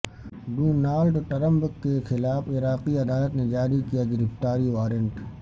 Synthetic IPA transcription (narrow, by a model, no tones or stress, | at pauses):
ɖuːnaːlʈoʈɐɾə̃mbəkːexʰɪlaːfɪɾaːqiɐd̪aːlət̪ned͡ʒaːɾikijaɡɪɾɪft̪aːɾiʋaːɾijəɳʈ